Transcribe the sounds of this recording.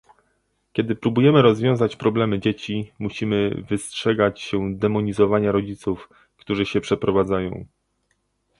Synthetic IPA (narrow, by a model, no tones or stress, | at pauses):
kʲɛd̪ɘpɾubujɛmɘɾɔzvʲjɔ̃w̃zat͡ɕpɾɔblɛmɘd͡ʑet͡ɕimuɕimɘvɘstʂɛɡat͡ɕɕɛd̪ɛmɔɲizɔvaɲaɾɔd͡ʑit̪suf | kt̪uʐɘɕɛpʂɛpɾɔvad̪zajɔ̰̃w̃